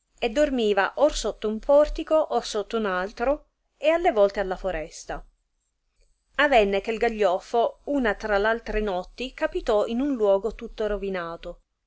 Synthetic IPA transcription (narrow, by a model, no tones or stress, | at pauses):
ed̪ːormiːvaʔorsot̪ːoumpʰɔrt̪ikoʔorsot̪ːounalt̪ɾo | ealːevɔlt̪ealːafoɾɛst̪a | avɛnːek̟elɡaʎːɔfːouːnat̪ɾalalt̪ɾenɔt̪ːikapit̪ɔinunlwɔːɡot̪ut̪ːoɾovinaːt̪o